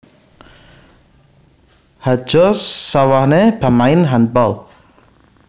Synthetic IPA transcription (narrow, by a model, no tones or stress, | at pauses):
hḁʒ̥ɔsːawahneb̥a̤maɪnɦan̚bɔl